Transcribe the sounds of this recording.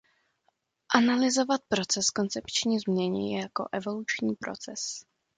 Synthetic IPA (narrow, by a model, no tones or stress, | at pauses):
ʔanalɪzo̞vat̪̚pɾo̞t͡sɛsko̞nt͡sɛpt͡ʃɲiːzmɲɛɲɪ̰jako̞̰ʔɛvo̞lut͡ʃɲiːpɾo̞̰t͡sɛs